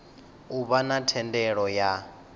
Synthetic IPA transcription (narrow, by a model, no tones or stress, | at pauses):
uβanatʰɛndɛɺɔja